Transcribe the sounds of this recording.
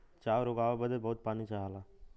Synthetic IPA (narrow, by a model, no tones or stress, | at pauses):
t͡ʃaːʋɾoɡaːʋabəd̪ebəːt̪̚paːnit͡ʃaːɦalaː